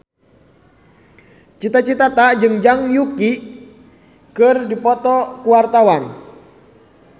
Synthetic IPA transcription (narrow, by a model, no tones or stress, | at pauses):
t͡ʃit̪at͡ʃit̪at̪ad͡ʒɨŋd͡ʒaŋjuki | kɨrdipɔt̪ɔkuwart̪awan